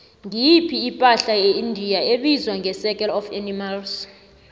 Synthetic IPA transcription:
ŋipʰiːpʼaɬajeindʱijaeɓizwaŋʱɛsɛk̬ʼɛlɔfɛnimals

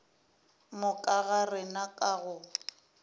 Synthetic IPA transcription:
mʊkʼaɣarɪnakʼaɣʊ

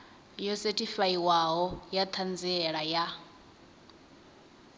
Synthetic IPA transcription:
jɔsɛtʼifaiwaɦɔjat̪ʰand͡ziɛɺaja

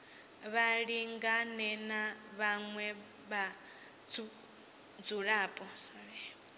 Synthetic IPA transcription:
βaɺiŋɡanɛnaβaŋwɛ | βa | u | d͡zuɺaːpʼɔsaβɛ

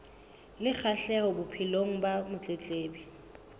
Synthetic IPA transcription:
lɪk͡xʰaɬɛɣɔbʊpʰiloŋ̩bamʊt͡ɬʼet͡ɬʼeːbi

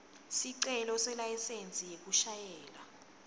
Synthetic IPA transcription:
siǀɛlɔsɛlajɛsent͡sʼijek̬uʃajɛːla

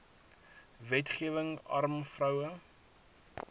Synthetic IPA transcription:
vɛtχiəvəŋɐ̰rmfrɐwə

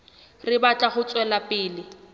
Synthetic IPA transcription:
rɪbat͡ɬʼaχʊt͡sʼwɛlapʼɪːlɪ

